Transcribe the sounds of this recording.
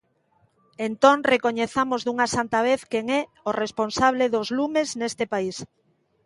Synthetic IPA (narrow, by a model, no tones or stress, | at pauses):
ent̪oŋrekoɲeθamozðuŋasant̪aβ̞eθkeŋɛ | oresponsaβ̞leðozlumeznest̪ɪpais